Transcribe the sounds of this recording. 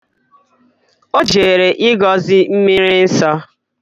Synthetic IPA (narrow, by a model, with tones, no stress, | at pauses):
o˦d͡ʒe˨ɾe˨ʔɪ˦ɡɔ˨zɪ˦m̩˦mi˦ɾɪi˦n̩˦sɔ˦